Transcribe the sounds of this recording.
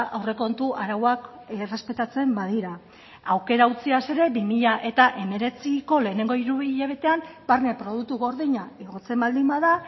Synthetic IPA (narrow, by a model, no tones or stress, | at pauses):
ʔawre̞ko̞nt̪uʔaɾawak | re̞spe̞t̪at͡se̞mbað̞iɾa | awke̞ɾaut͡siase̞ɾe̞bimiʎaʔe̞t̪aʔe̞me̞ɾe̞t͡siko̞le̞ːne̞ŋɡo̞iɾuβiʎaβ̞e̞t̪e̞ambaɾne̞pɾo̞ð̞uk̚t̪uɣo̞ɾðiɲaeɣo̞t͡se̞mbald̪imaða